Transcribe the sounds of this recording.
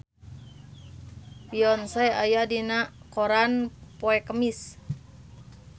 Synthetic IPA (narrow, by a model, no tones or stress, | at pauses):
piɔnsɛajadinakoɾanpoɛkəmis